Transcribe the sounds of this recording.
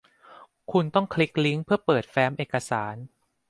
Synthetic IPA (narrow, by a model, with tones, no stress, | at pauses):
kʰu˧nt̪ɔ˥˩ŋkʰli˦˥k̚li˦˥ŋpʰɯ˥˩ɐpɤː˨˩t̪̚fɛː˦˥mʔeː˨˩kːa˧saː˩˦n